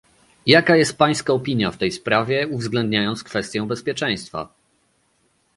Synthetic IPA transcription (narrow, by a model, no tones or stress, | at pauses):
jakajɛst̪̚paj̃skaɔpʲiɲjaft̪ɛjspɾavʲjɛuvzɡlɛnd̪ɲajɔnt̪skfɛst̪ʲjɔ̃w̃bɛspʲjɛt͡ʂɛ̃j̃st̪fa̰